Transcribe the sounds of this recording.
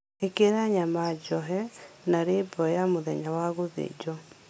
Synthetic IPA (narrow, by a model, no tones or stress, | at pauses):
ekeɾaɲamad͡ʒɔɦɛnaɾebɔjamoðɛɲawaɣoðḛd͡ʒɔ